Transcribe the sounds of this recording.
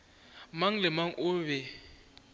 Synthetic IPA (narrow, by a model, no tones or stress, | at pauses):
maŋ̩lɪmaŋ̩ʔʊβɛ